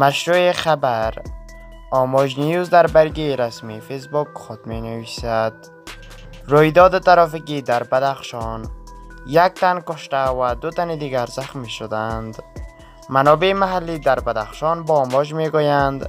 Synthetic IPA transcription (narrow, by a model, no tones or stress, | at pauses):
maʃɾuexabaɾ | ɔmɔd͡ʒnijuzd̪aɾbaɾɡeɾasmifes̬bukxʊd̪̚menavisad̪ | ɾojd̪ɔːd̪t̪aɾɔfikid̪aɾbad̪aχʃɔn | jak̚t̪ankʊʃt̪avad̪ʊt̪anid̪iɡaɾzaxmeʃod̪and̪ | manɔbemaɦalːid̪aɾbad̪axʃɔnbɔːmɔd͡ʒmeɡojand̪